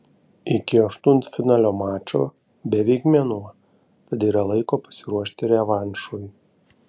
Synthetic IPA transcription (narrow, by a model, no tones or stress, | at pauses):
ɪkʲɪɐʃt̪ʊnt̪fʲɪnɑːlʲoːmɑːt͡ʃʲo̰ː | bʲɛʋʲɛɪkmʲɛnuɐ | t̪ɐt̪iːɾɐlˠɐɪkoːpɐ̥sʲɪɾuɔʃʲt̪ʲɪɾʲɛʋɑnʲʃuj